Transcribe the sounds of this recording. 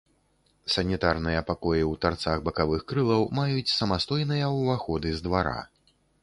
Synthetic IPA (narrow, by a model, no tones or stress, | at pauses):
sɐnʲit̪arnɨjɐpakɔjiwt̪art̪saɣbɐkavɨxkɾɨlˠɐwmajut͡sʲsɐmast̪ɔjnɨjɐwvaxɔd̪ɨzd̪vaɾa̰